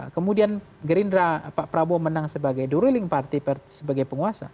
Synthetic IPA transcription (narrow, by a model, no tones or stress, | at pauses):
kəmudian | ɡəɾindɾapaʔpɾabomənaŋsəbaɡajduɾilɪŋpart̪iparsəbaɡajpəŋuasa̰